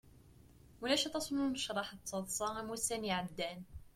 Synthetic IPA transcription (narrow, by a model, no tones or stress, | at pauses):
mʊlæʃət̪ˤɑt̪nunəʃɾˤɑħt̪ˤːɑd̪ˤsˤɑmusæniʕad̪ːæn